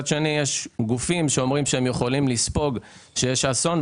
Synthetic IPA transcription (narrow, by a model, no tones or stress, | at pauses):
adʃenijeʃɡufimʃeo̞mʁimʃehemjeχolimlispo̞ɡʃejeʃason